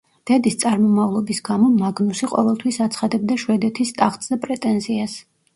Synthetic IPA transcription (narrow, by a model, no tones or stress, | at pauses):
d̪̥ɛd̪ist̪sʼaɾmɔmavlˠɔbisɡamɔmaɡnusiqʼɔ̰vɛlˠt̪ʰwisat̪sʰχad̪ɛbd̪aʃwɛd̪ɛt̪ʰist̪ʼaχt̪ʼzɛpʼɾɛt̪ʼɛnzias